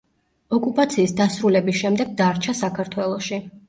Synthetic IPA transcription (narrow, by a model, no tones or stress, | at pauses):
ɔkʼupʼat̪sʰiːsd̪asɾulɛbisʃɛmd̪ɛɡ̚d̪aɾt͡ʃʰasakʰaɾt̪ʰwɛlˠɔʃi